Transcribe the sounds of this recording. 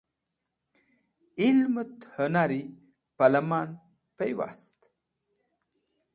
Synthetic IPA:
ilmət̪hənaɾi | palɐmaːn | pejwa̰st̪

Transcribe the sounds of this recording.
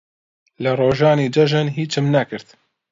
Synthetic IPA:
lɨɾˤoːʒɑːniːd͡ʒɐʒanɦiːt͡ʃɨmnakɨɾt̪

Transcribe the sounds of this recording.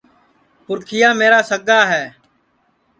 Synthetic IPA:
pʊɾkʰɪjaːmeːɾaːsəɡaːɦɛː

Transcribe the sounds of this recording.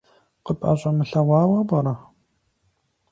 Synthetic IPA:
qəpʼɐ̰ɕʼɐmɨɬɐwʷɑːwɐbɐɾɐ

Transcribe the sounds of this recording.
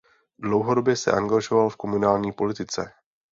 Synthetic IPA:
dlowɦodo̞bjɛsɛ̰ʔaŋɡaʒo̞valfko̞munaːlɲiːpo̞lɪt̪ɪt͡sɛ̰

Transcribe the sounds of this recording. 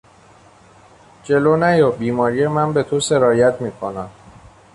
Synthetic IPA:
d͡ʒe̞loːnæjɒbiːmɒːɾije̞mænbe̞t̪ʰose̞ɾɒːjæt̪ʰmiːkʰo̞næm

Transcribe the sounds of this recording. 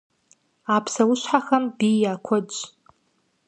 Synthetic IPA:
apʰsawʊʃʷħaxambijakʷʰʊ

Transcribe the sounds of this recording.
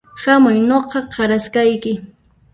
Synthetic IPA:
hamʊjnoqɑqʰɑɾaskajkɪ

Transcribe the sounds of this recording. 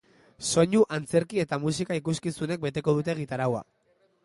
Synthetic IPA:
so̞ɲuʔant͡se̞ɾkie̞t̪amus̬ikaikuskisune̞k̚be̞t̪e̞ko̞ð̞ut̪̬e̞ɣ̞it̪aɾawa̰

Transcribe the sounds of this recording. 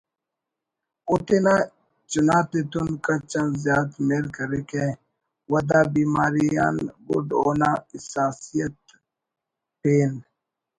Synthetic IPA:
ʊt̪ena | t͡ʃʊnaːt̪et̪unkat͡ʃɐ̃nzzjaːt̪meɾkɐɾeke | wɐd̪aːbiːmaːɾija̰ːnɡʊ̰ɖoːnaɪsaːsijət̪ | peːn

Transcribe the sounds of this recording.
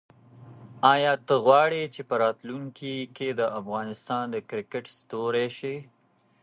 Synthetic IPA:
ɑjɑt̪əɣwɑɽet͡ʃepəɾɑt̪luŋkiked̪əʔafɣɑnɪst̪ɑnd̪əkɾɪkɪʈst̪oɾeʃe

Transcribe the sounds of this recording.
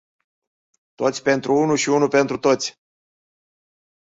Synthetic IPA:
t̪o̞t̪sʲpe̞nt̪ɾʔuunuʃiunupe̞nt̪ɾut̪o̞t̪sʲ

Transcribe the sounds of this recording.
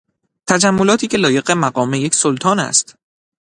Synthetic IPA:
t̪ʰæd͡ʒæmːo̞lɒːt̪ʰiːcʰe̞lɒːje̞ɢemæɢɒːme̞jecsolt̪ʰɒːnæ̰st̪

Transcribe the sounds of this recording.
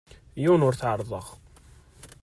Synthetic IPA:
junʊɾθʕəɾˤðˤəʁ

